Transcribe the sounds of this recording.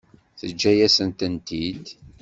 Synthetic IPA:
θəd͡ʒːæjæsənt̪ənt̪id̪

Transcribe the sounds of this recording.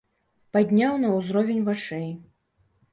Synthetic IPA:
pad̪ʲnʲawnɐwzɾɔvʲenʲvat͡ʂɛj

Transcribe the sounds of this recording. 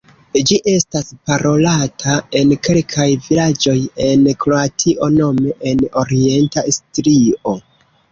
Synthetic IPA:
d͡ʒiʔe̞staspaɾo̞latʰae̞nke̞lkʰajvilad͡ʒo̞je̞nkɾo̞atʰiʔo̞no̞me̞ʔeno̞ɾie̞ntastɾio̞

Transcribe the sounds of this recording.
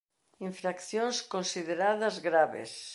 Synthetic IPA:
iɱfɾakθjõnskõnsiðeɾaðɐzɣɾaβḛs

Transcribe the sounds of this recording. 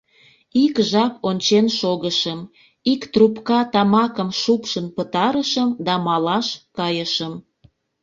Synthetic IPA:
ikʒɑponʲt͡ɕenʃoɣəʃəm | ikt̪rupkɑt̪ɑmɑkəmʃupʃənpət̪ɑɾəʃəmd̪ɑmɑlɑʃkɑjəʃəm

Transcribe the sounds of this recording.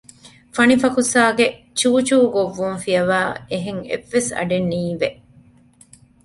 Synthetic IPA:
fɐnifɐkusaːɡe | t͡ʃuːt͡ʃuːɡoʋːuŋfijɐʋaːeɦeŋḛʋːesɐ̰ɖenːiːʋeʔ

